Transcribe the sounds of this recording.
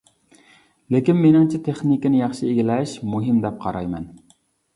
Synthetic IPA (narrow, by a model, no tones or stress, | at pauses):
lekʲinmenɪŋt͡ʃʰit̪ʰeχnikʲinɪjɑχʃɨeɡʲilɛʃmuɦimd̪ɛp̚qʰɑɾɑjmɛn